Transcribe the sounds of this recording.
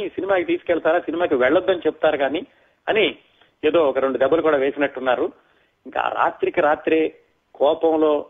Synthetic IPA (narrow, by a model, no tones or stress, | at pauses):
sinimaːkit̪iːsu̥kɛɭt̪aːɾaːsinimaːkiʋɛɭːɐd̪ːɐnit͡ʃepu̥t̪aːɾuɡaːni | ɐni | eːd̪o̞ːɔkɐɾe̞ɳɖud̪ɛbːɐlukuːɽaːʋe̞ːsinɐʈːunːaːɾu | iŋka̰ɾa̰ːt̪ɾikɐɾaːt̪ɾe | kɔːpɐmlo̞ː